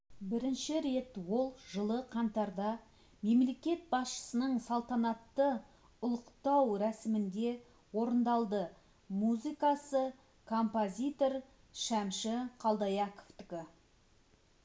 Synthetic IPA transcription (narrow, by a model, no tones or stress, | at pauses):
bɪɾɪnʃɪɾe̞t̪wo̞lˠʒəlˠəqʰɑnt̪ɑɾd̪ɑ | me̞mle̞kʲe̞t̪̚bɑsʃə̥sənəɴsɑlˠt̪ɑnɑt̪ːə | ʊlˠəqt̪ɑwɾæsɪmɪnd̪e̞ | wo̞ɾənd̪ɑlˠd̪ə | muzijkɑsə | kʰo̞mpozʲijt̪o̞r | ʃæmʃɪqʰɑlˠd̪ɑjɑko̥ft̪ɪkʲɪ